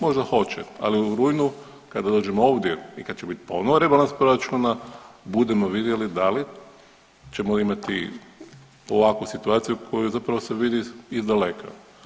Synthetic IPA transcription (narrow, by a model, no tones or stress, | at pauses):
mo̞ʒd̪axo̞t͡ʃea̰liuɾujnu | kad̪ad̪o̞ːd͡ʒemoo̞ːʋd̪jeikad̪t͡ʃebit̪i̥po̞̰noʋoɾebalnaspɾo̞ɾat͡ʃunabud̪emo̞ʋid̪jelid̪ali | t͡ʃe̞moimat̪ḭ | oʋakusit̪uaːt̪sijukʰo̞juzapɾaʋose̞ʋid̪iizd̪alekʰa̰